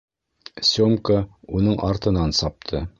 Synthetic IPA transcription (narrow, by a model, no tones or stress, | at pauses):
sʲomkəunɤɴʔɑ̰ɾt̪ɤ̆nɑnsɑp̚t̪ʰɤ